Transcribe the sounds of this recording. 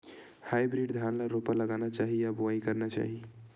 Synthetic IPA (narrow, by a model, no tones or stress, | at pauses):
hajbɾiɖd̪ʱanlaɾopaləɡanat͡ʃaɦijaboaikəɾnat͡ʃa̰ɦi